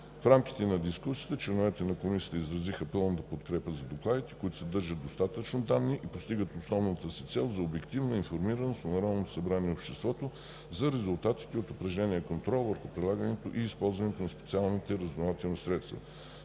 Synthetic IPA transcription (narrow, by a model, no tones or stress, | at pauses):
fɾamk̟i̥t̪ɛnɐd̪iskusiət̪ət͡ʃlɛnovɛt̪ɛnɐkomisiːət̪izɾɐzixəpɤlˠnət̪əpot̪kɾɛpəzɐd̪oklˠad̪it̪ɛ̥koit̪ʊ̥sɛd̪ɤɾʒəd̪ost̪at̪ət͡ʃnod̪anːiʔipost̪iɡət̪osnɔvnət̪əsit̪sɛlˠzɐobɛkt̪ivnəinfoɾmiɾɐnosonɐɾɔnnot̪o̥sɐbɾaniɛopʃt̪ɛst̪vɔt̪o | zɐɾɛzʊlˠt̪at̪i̥t̪ɛot̪ʊpɾɐʒlɛniɛkont̪ɾɔlˠvəɾxupɾid̪lˠaɡənɛt̪oʔiːspɔlˠzvɐnɛt̪onɐspɛ̥t̪sialˠnit̪ɛɾəznovat̪ɛlˠnisɾɛt̪st̪və̰